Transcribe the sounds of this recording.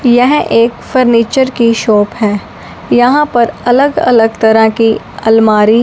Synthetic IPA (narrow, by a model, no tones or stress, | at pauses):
jɛɦʔeːkfəɾniːt͡ʃəɾkiʃɔːpɦɛː | jɐɦãpɐɾɐləɡɐ̰ləɡt̪ɐɾəki | ɐlmaːɾi